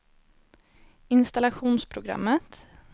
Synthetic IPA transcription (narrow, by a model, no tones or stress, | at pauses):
ɪnst̪alaɧuːnspʰɾʊɡɾa̰mːət̪